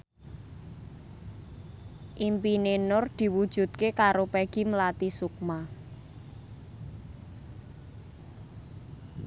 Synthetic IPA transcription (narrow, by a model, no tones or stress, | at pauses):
ʔimpinenʊrd̪̥i̤wud̥ʒ̥ṳt̪̚kekaɾopɛɡ̥i̤məlat̪isuk̚ma